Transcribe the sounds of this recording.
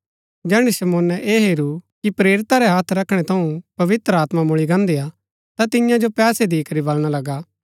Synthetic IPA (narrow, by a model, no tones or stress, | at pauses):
d͡ʒɛːɽ̃isɐmoːnɛʔeːɦeːɾukipɾeːɾɪt̪aɾɛɦaːt̪ʰɾɐkʰɽ̃ɛt̪ʰɐũpɐʋɪt̪ɾəaːt̪mamʊɭiɡãːnd̪eaː | t̪at̪ɪjãd͡ʒopɛːsed̪iːkɐɾibɐlɽ̃alɐɡaː